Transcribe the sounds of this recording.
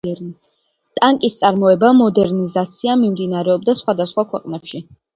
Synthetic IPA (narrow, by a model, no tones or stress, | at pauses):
ɛɾni | t̪ʼaŋkʼist̪sʼaɾmɔɛbamɔd̪ɛɾnizat̪sʰiamimd̪inaɾɛɔbd̪asχwad̪asχwakʰwɛqʼnɛpʃi